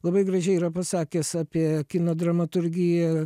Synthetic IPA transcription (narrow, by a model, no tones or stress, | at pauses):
lˠɐbɐɪɡɾɐʒʲɛɪiːɾɐpɐsɑːkʲɛsɑːpʲiɛkʲɪnoːd̪ɾɐmɐt̪ʊɾʲɡʲɪjɛ